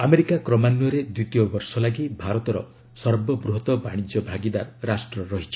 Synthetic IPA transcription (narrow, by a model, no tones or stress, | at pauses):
ameɾikakɾɔmanjɔɾed̪ut̪ijɔbɔɾsɔlaɡibʱaɾɔt̪ɔɾɔ̰ | sɔɾbɔbɾuɦɔt̪ɔbaɽ̃id͡ʒɔbʱaɡid̪aɾɾasʈɾɔɾɔɦit͡ʃʰi̥